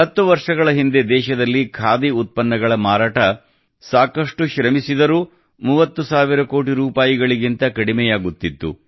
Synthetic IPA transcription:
ɐt̪ːuʋɐɾʂɐɡɐɭɐɦind̪e̞d̪ɛːʃɐd̪ɐlːikʰaːd̪iut̪̚pɐnːɐɡɐɭɐmaːɾaːʈɐ | saːkɐʂʈuʃɾɐmisid̪ɐɾuː | muːʋɐt̪ːusaːʋiɾɐko̞ːʈiɾuːpaːjiɡɐɭiɡint̪ɐkɐɽimɛjaːɡut̪ːit̪ːṵ

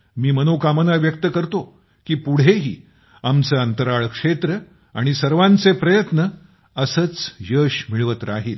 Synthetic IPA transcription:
miːmənokamənaʋjək̚t̪əkəɾt̪o | kiːpuɽ̤eɦḭː | amt͡səənt̪əɾaɭkʂet̪ɾə | aɽ̃isəɾʋãnt͡sepɾəjət̪nə | əsət͡sjəɕmiɭʋət̪ɾaɦiːl

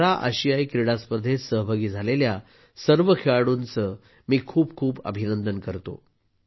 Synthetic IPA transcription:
ɾaʔə̰ɕijajkɾiɽaspəd̪ʱːesəɦbʱaɡiːd͡zʱalelja | səɾʋəkʰeɭaɽuːnt͡sə | miːkʰuːbkʰuːbə̰bʱinənd̪ənkəɾt̪o̰

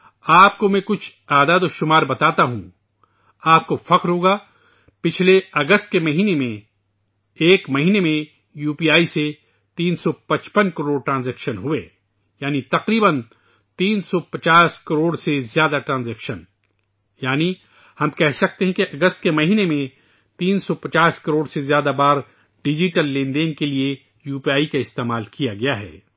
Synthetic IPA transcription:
aːp̚komɛ̃kʊt͡ʃʰ | aːd̪aːd̪oʃʊmaːɾbɐt̪aːt̪aɦṵ̃ | aːp̚kofɐqɾɦoːɡa | pɪt͡ʃʰleɐɡəst̪̚kemɐɦiːnemẽ | eːkmɐɦiːnemẽ | juːpiːaːise | t̪iːnsɔpɐt͡ʃpənkɐɾoːɖ̚ʈɾãːnzɛːkʃənɦʊḛː | jaːnit̪ɐqɾiːbən | t̪iːnsɔpɐt͡ʃaːskɐɾoːɽsezjaːd̪aʈɾãːnzɛːkʃən | jaːni | hɐmkɛɦsɐk̚t̪eɦɛ̃keʔɐɡəst̪̚kemɐɦiːnemẽ | t̪iːnsɔpɐt͡ʃaːskɐɾoːɽsezjaːd̪abaːɾ | ɖɪd͡ʒɪʈəlːẽːnɖẽŋɡkelie | juːpijaːikaɪst̪eːmaːlkijaɡɐjaɦɛ̰ː

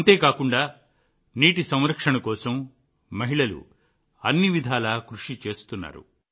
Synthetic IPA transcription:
ɐnt̪e̞ːkaːkuɳɖaː | niːʈisɐmɾɐkʂɐɳɐkɔːsɐmː | ɐɦiɭɐlṵ | ɐnːiʋid̪ʱaːlaːkɾuʂit͡ʃe̞ːst̪unːa̰ːɾṵ

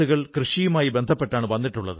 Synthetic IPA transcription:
uɣɐɭkrɨʂijumaːjibe̞nd̪ʱɐpːe̞ʈːaːɳɨʋɐnːiʈːuɭːɐ̰ðɨ

